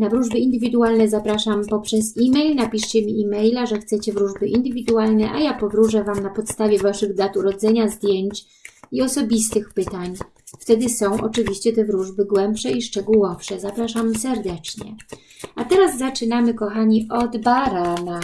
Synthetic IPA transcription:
navɾuʐbɘind̪ɘvʲid̪ualnɛzapɾaʂampɔpʂɛzimɛjlnapʲiʂt͡ɕɛmʲiːmɛjlaʐɛxt̪sɛt͡ɕɛvɾuʐbɘʔind̪ɘvʲid̪ualnɛʔa̰japɔvɾuʐɛvamnapɔt̪st̪avʲjɛvaʂɘɣd̪at̪uɾɔd̪zɛɲazd̪ʲjɛɲt͡ɕ | iɔsɔbʲist̪ɘxpɘt̪aɲ | ft̪ɛd̪ɘsɔ̃w̃ʔɔ̰t͡ʂɘvʲiɕt͡ɕɛt̪ɛvɾuʐbɘɡwɛmpʂɛiʂt͡ʂɛɡuwɔfʂɛzapɾaʂamsɛɾd̪ɛt͡ʂɲɛ̰ | at̪ɛɾazːat͡ʂɘnamɘkɔxaɲiʔɔd̪baɾana

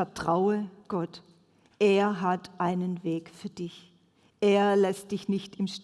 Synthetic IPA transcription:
ɛɐtʁ̥aʊəɡ̥ɔt | ʔeːɐɦatʔaɪnənveːkfyːɐdɪç | ʔeːɐlɛst̚d̥ɪçnɪçtɪmʃ

